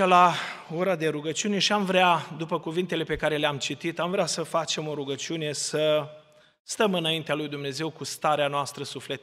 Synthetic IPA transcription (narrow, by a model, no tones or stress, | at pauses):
elao̞ɾad̪e̞ɾuɡət͡ʃiune̞ʃiamvɾead̪upəkuvint̪e̞le̞pe̞kaɾe̞leamt͡ʃit̪it̪amvɾeasəfat͡ʃe̞mo̞ɾuɡət͡ʃiune̞sə | st̪əmɨnaint̪ealujd̪umne̞ze̞wkust̪aɾeanoast̪ɾəsufle̞t̪